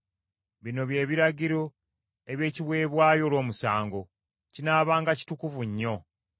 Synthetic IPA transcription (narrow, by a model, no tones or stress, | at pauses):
βino̞βje̞ːβiɾaɟiɾo̞ | eβje̞ːciβwe̞ːβwaːjo̞ːlwo̞ːmusaːŋɡo̞ | cinaːβaːŋɡaci̥tukuvuɲːo̞